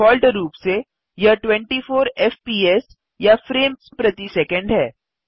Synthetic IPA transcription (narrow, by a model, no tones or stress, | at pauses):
ɔːlʈəɾuːpse | jaʈwɛ̃ɳʈifoːɾɛːfpiːɛs | jafɾeːmspɾɐt̪isɛkə̃ɳɖɦɛː